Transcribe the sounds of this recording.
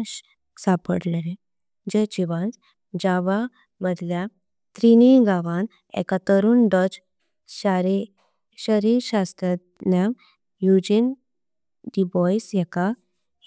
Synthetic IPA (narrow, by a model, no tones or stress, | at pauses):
sapəɽleɾe | d͡ʑet͡ɕiʋant͡s | d͡ʑaʋa | məd̪ʱlja | t̪ɾiniɡaʋan | ɛ̰kat̪əɾuːnɖɔd͡ʑ | ɕaɾi | ɕəɾiɾɕast̪ɾət̪njam | jud͡ʑin | ɖibɔjsjɛka